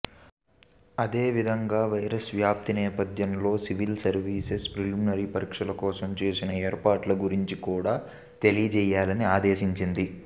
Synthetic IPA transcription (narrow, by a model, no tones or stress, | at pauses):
ɐd̪eːʋid̪ʱɐŋɡaːʋɐjɾɐsʋjaːp̚t̪inɛːpɐd̪ʱjɐmlo̞ːsiʋilsɐɾʋiːsespɾiluːminɐɾipɐɾiːkʂɐlɐkɔːsɐmt͡ʃe̞ːsinɐeːɾpaːʈlɐɡuɾiɲt͡ʃikuːɽaː | t̪elijɐt͡ʃɛːjaːlɐniaːd̪e̞ːʃiɲt͡ʃind̪i